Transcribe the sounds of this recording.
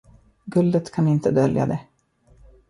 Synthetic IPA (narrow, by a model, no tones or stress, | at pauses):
ɡɵld̪ət̪kʰanɪnt̪əd̪œlja̰d̪ɛ